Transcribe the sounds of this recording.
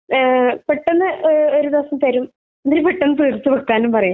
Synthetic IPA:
peʈːenːɨʔoɾud̪eʋɐsɐmt̪ɐɾum | ɐnd̪ɾipeʈːenːɨt̪ɨːrt̪ːɨpɐkːaːnumpɐrɐja

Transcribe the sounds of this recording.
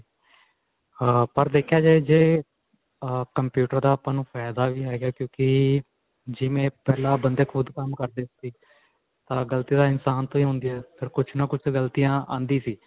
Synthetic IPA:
pəɾd̪eːkʰjaːd͡ʒeːd͡ʒeː | kəmpjuːʈəɾd̪aːəpãːnũːfʰɛːd̪aːʋiːɦɛːɡaːkjõːkɪ | d͡ʒɪʋẽːpɛːlãːbənd̪eːkʰʊd̪kəmkəɾd̪eːsiː | t̪ãːɡəlt̪iːd̪aːɪnsaːnt̪õːĩːɦʊ̃ːnd̪iɛːpʰəɾkʊt͡ʃʰnãːkʊt͡ʃʰɡəlt̪ijãːã̰ːnd̪iːsiː

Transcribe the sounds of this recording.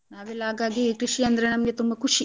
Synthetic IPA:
naːʋilaːɡaːɡikɾiʂiɐnd̪ɐɾenɐmjet̪umbɐkʰuʂi

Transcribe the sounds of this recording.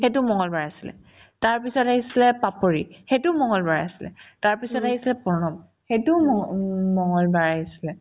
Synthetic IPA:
xetʊmɔŋɔlbaɹasilɛ̰ | taɹpisɔtaɦisilɛpapoɹixetʊmɔŋɔlbaɹasi̥lɛ̰taɹpisɔtaɦisilɛpɔnɔm | xetʊɔmɔŋɔlbaɹaɦisi̥lɛ

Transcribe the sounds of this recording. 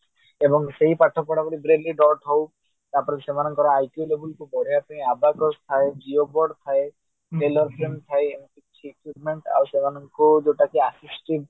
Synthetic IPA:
ebɔŋseɦipaʈʰɔpɔɽapɔɾibɾelːiɖɔɾʈɦow | t̪aɾpɔɾesemanɔŋkɔɾaajkolebulkubɔɾ̤eat̪uiabakɔst̪ʰaed͡ʒiobɔɾɖt̪ʰae | ʈelɔɾpʰɾemt̪ʰaeemkit͡ʃʰikwipmeɳʈa̰wsemanɔŋkod͡ʒeʈakeasisʈib

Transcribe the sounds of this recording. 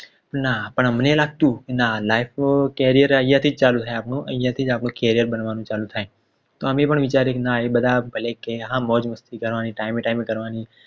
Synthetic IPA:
pənapəɳmənelaːɡ̚t̪ũːkenalaːɪfkeːɾijəɾjãt̪ʰiːd͡ʒt͡ʃaːlũt̪ʰaːẽaːpnũʔə̃jãt̪ʰiːd͡ʒaːpnũkeːɾijəɾbənʋaːnũt͡ʃaːlũt̪ʰaːẽː | t̪oːəmẽpəɳʋɪt͡ʃaːɾeknaebəd̪ʱabʱəlekeɦãːmɔːd͡ʒməst̪ikəɾʋaːnĩʈaːɪmeʈaːɪmẽkəɾʋaːni

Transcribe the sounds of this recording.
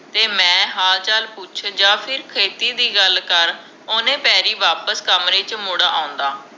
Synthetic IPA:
t̪eːmɛ̃ːɦaːlt͡ʃaːlpʊt͡ʃʰd͡ʒaːpʰɪɾkʰeːt̪iːd̪iːɡəlkəɾ | oːnẽːpɛːɾiːʋaːpəskəmɾeːt͡ʃmʊɽaːʔaːʊ̃nd̪aː

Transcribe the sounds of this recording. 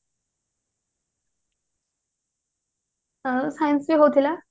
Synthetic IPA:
sajə̃nsbiːɦot̪ʰila

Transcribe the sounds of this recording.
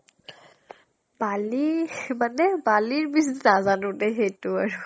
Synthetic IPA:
balimanebaliɹbis̬nazanunɛxetuaɹu

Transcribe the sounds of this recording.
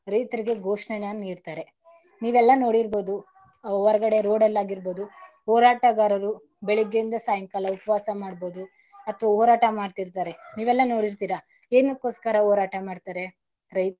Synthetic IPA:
ɾɐjt̪ɐɾiɡe̞ɡʱoːʂɳenaniːɾt̪aːɾe̞ | niːʋɛlːɐno̞ːɽiɾbo̞ːd̪u | ʋɔɾɐɡɐɽe̞ɾo̞ːɽɛlːaːɡiɾboːd̪u | ɦoːɾaːʈɐɡaːɾɐɾu | beɭiɡeind̪ɐsaːjɐŋkaːlɐupɐʋaːsɐmaːɽbo̞ːd̪u | ɐt̪ːʋaɦoːɾaːʈɐmaːɖt̪iɾt̪aːɾe̞niːʋɛlːɐno̞ːɽiɾt̪iːɾɐ | eːnukoːskɐɾɐɦoːɾaːʈɐmaːɖt̪aːɾe̞ | ɾɐjt̪̚

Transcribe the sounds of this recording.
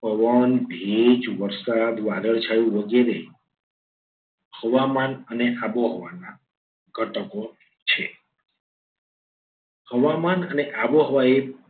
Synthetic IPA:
pəʋənbʱeid͡ʒʋəɾsad̪ʋad̪əɭd͡ʒʰajũʋəɡeɾe | həʋamanəneʔaboɦəʋana | ɡʱəʈəko | t͡ʃʰe | həʋamanəneʔaboɦəʋae

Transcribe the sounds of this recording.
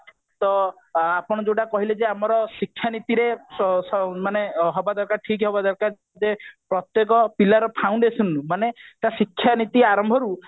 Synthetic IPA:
t̪ɔ | apɔɽ̃ɔd͡ʒoʈakɔɦiled͡ʒeamɔɾɔsikʰːjanit̪iɾesɔmaneɦɔbad̪aɾkaɾʈʰikɦɔbad̪aɾkaɾ | d͡ʒepɾɔt̪jek̬ɔpilaɾɔpʰawɳɖesɔnumanet̪asikʰːjanit̪iaɾɔmbʱɔɾu

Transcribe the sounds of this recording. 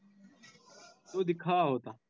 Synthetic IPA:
t̪oːd̪ɪkʰaːɦoːt̪aː

